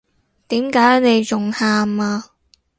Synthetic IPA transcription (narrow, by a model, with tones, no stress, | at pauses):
t̪iː˨˥mkaː˨˥jne˨˧jt͡sʊ˨˩ŋhaː˧maː˧